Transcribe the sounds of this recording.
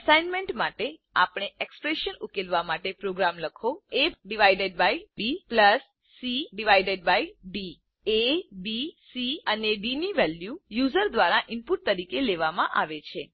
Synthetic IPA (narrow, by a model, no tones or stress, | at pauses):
əsajnmeɳʈmaʈea̰pɳeekspɾeʃənukelʋamaʈepɾoɡɾamləkʰoeɖiʋaiɖeɖ̚bajbipləsː | iɖiʋajɖeɖbajɖi | ebisiənebiniʋɛljujuzəɾd̪ʋaɾaʔɪmpuʈ̚t̪əɾikeleʋamã̰ʔaʋet͡ʃʰe